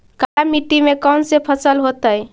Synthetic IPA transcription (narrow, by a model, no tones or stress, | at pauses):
kaɾamiʈːimekansepʰəsəlɦot̪əj